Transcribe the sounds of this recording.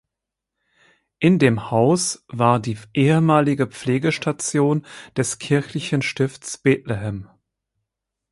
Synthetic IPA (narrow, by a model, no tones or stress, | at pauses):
ʔɪndeːmhaʊsv̥aːɐdiːʔeːəmaːlɪɡəp͡fleːɡəʃtat͡sjoːnd̥ɛskʰɪɐçlɪçənʃtɪftsb̥eːtlɛɦɛm